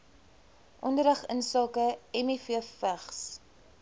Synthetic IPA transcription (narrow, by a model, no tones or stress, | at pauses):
ʔɔndəɾɐχənsɑːkəɛmifiəfəχs